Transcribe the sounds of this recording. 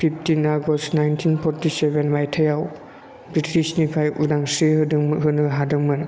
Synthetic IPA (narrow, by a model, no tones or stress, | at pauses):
pʰipʰtinaɡɔstnajntʰinpʰɔɾtisebenmajtʰɐjaw | bɾitʰisnikʰajudaŋsɾiɦɯdɯŋmɦɯnɯɦadɯŋmɯn